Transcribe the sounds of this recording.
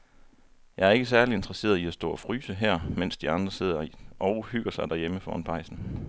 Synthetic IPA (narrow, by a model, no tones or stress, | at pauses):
jɑ̈ɪæɐe̝ɡ̥əs̬æɐlie̝nd̥ʁɐse̝̰ːɐð̩ˠiæsd̥ɔ̰̽ːɒ̽fʁyːsəɦæɐ̰men̰sd̥iɑ̈nd̥ʁɐse̝ð̞̰ˠɐʔɒʊhyɡ̥ɐsɑ̈ɪd̥æɐjeməfɒ̰ːnpʰɑ̈ɪ̰sn̩